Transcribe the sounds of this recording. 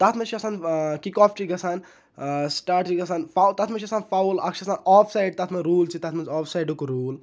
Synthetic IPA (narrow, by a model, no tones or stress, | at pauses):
t̪at̪ʰmɐt͡ʃʰiɐsaːnkikɔːft͡ʃiɡɐsaːn | sʈaːʈiɡɐsaːnfawlt̪at̪ʰmɐt͡ʃʰiɐsaːnfaulɐkʃʰɐɐsaːnɔːpʰsajɖ̚t̪at̪ʰmɐnɾuːlt͡ʃʰit̪ɐt̪ʰmɐnzɔːfʰsajɖukɾuːl